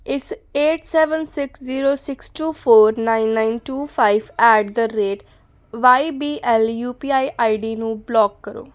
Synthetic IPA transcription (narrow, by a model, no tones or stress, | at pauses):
ɪseːʈsɛːʋənsɪksziːɾoːsɪksʈuːpʰoːɾnaɪnːaɪnʈuːpʰaːɪʋɛːɖ̚d̪əɾeːʈ | ʋaːibiːʔɛljuːpiːaːiʔaːiɖiːnũːblɔːkːəɾo̰ː